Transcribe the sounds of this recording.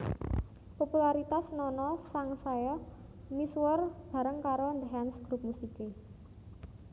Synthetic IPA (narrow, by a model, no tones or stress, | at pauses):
populaɾit̪asnɔnɔsaŋsajɔ | miswərb̥ä̤ɾəŋkaɾond̪ɦɛnsɡ̥ɾup̚musike